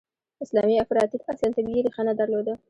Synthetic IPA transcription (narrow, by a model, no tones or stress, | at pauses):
ɪslɑmiafɾɑt̪ikasɑnt̪aɡiɾixanad̪aɾlod̪a